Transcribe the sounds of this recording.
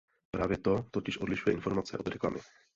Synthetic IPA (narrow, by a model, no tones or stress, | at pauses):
pɾaːvjɛt̪o̞t̪ocɪʃʔodlɪʃujɛʔɪnfo̞ɾmat͡sɛ̰ʔod̪ɾɛkla̰mɪ